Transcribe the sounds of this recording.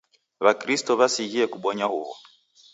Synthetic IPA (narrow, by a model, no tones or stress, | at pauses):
βakɾistɔβasiɣiɛkuɓɔɲahuɣɔ̰